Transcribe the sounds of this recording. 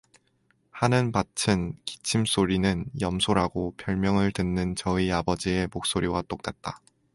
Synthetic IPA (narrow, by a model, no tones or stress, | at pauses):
hanɯnpat͡ɕʰɯnki̥t͡ɕʰims͈oɾinɯnjʌmsʰoɾaɡopʰjʌɭmjʌŋɯɭtɯnːɯnt͡ɕʌiabʌd͡ʑie̞mok̚s͈oɾiwat͈ok̚t͈at̚t͈a